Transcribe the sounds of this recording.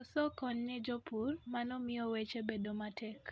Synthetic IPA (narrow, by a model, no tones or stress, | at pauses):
ɔsɔkɔnnɪd͡ʒɔpʰurmanɔmɪɔwet͡ʃebedomatʰɛk